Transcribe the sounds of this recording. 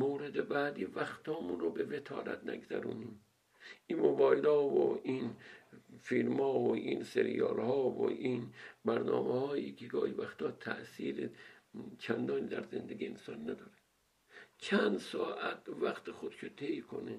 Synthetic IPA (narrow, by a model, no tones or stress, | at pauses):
moːɾed̪ebæːd̪iːvæxt̪hɒːmuːnɾobevet̪ʰɒ̰ːlæ̰t̪næ̰ɡzæ̰ɾuːniːm | ʔiːnmobɒːjlɒːvo̰ʔin | filmɒːoʔiːnseɾḭjɒ̰ːlhɒːvo̰ʔiːnbæɾnɒ̰ːmehɒːjiːkʰeɡɒːhivæxt̪ɒːt̪ʰæ̰ʔsiːɾet͡ʃʰænd̪ɒːniːd̪æɾzend̪eɡʲiḛnsɒːnːæd̪ɒːɾe | t͡ʃʰænd̪sɒːʔæt̪̚væxt̪exod̪ʃʰet̪ʰejkʰo̰ne